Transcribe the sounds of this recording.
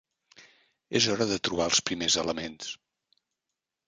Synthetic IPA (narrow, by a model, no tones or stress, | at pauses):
ezɔɾəðət̪ɾuβ̞aəlˠspɾimezələmens